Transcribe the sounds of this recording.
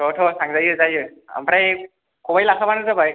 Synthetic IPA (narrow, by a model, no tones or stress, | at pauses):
ɔtʰɔsaŋzajɯzajɯa̰mpɾaj | kɔbajlakʰabanɯzabaj